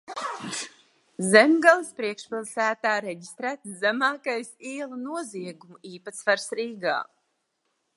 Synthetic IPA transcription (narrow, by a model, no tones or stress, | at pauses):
zemɡalˠispɾiɛkʃpilˠsæːt̪aːɾeɟist̪ɾæːt̪zæmaːkajsiɛlˠunuɔziɛɡumuiːpat̪svaɾsɾiːɡa̰ː